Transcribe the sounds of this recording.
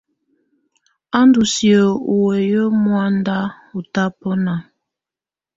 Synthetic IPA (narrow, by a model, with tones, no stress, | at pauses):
a˦ndu˨si˨ə˨u˨wɛ˨jə˦mwa˦nda˦ | u˨ta˦pɔ˦na˨